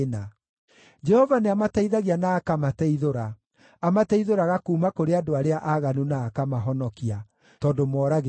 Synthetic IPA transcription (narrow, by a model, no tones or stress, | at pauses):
na | d͡ʒɛhɔvaneamatɛiðaɣianaːkamatɛiðoɾa | amatɛiðoɾaɣakuːmakoɾeadoaɾeaʔaɣanunaːkamaɦɔnɔkia | tɔdomwɔːɾaɣ